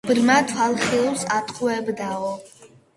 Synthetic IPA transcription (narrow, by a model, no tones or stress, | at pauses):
brmatʰalχilwsat̪ʰʼqʰʷʼwɛbd̪aʁɔ